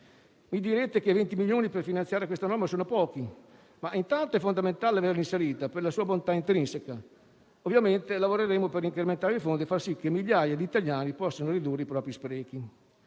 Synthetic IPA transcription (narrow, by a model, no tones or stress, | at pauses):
mid̪iɾet̪ekevent̪imiljoːniperfinansjaːɾekwest̪anɔrmasoːnopɔːki | maʔint̪ant̪oɛfːond̪ament̪aːleaverlinseɾiːt̪aperlasuːabont̪aint̪ɾinseka | ovːjament̪elavoɾeɾemoperːiŋkɾement̪aːɾeifond̪iefarsikːemːiʎːaːjad̪iːt̪aljaːnipɔsːonoɾid̪urːeipɾɔːpɾispɾɛːk̟i